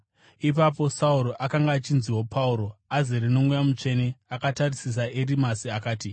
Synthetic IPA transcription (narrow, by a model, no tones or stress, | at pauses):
ip̬apo̞sauɾo̞ʔakaŋɡaːt͡ʃinziwo̞pʰauɾo̞azeɾino̞ŋɡujamut͡ʂe̞neakatarisis̬aeɾimasiakaːti